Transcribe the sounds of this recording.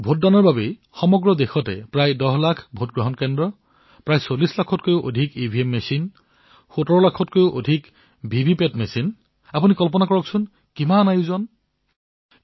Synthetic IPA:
bʱot̚danɔɹbabe | xɔmɔɡɹɔdexɔtɛpɹajdɔɦlakʰbʱotɡɹɔɦɔnkendɹɔ | pɹajsolislakʰɔtkojʊʔo̰dʱikibʱiemːesin | xutɔɹɔlakʰɔtkojʊʔodʱik | bʱibʱipetmesin | apunikɔlp̬ɔnakɔɹɔksʊn | kimanajuzɔn

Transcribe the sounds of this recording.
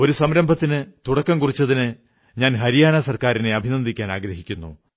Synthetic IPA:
o̞ɾusɐmɾɐmbʱɐt̪ːinɨt̪uɽɐkːɐmkurit͡ɕːɐðinɨ | ɲaːnɦɐɾijaːnɐsɐrkaːɾine̞ɐbʱinɐnd̪ʱikʲːaːnaːɡɾɐɦikʲːunːṵ

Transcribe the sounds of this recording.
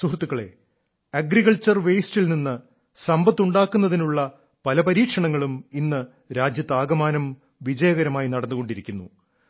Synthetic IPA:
suɦrt̪ːukːɐɭe̞̰ | ɐɡɾiɣɐɭt͡ɕɐrʋejstilninːɨ | sɐmbɐt̪ːuɳɖaːkːunːɐðinuɭːɐ | pɐlɐpɐɾiːkʂɐɳɐŋːɐɭuminːɨ | ɾaːd͡ʑjɐt̪ːaːɡɐmaːnɐm | ʋid͡ʑɐjɐɣɐɾɐmaːjinɐɽɐnːuɣo̞ɳɖiɾikʲːunːṵ

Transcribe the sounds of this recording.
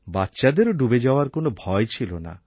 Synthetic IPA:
batːʃad̪eɾoɖubed͡ʑaoaɾkonobʱɔet͡ɕʰilona̰

